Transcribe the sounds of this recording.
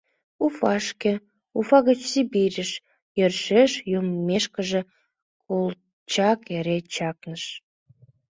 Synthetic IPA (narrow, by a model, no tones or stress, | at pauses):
ufɑʃkĕ | ufɑɣət͡ɕsibiɾʲəʃ | jərʃeʃjumːeʃkəʒĕ | kol | t͡ɕɑkeɾet͡ɕɑknəʃ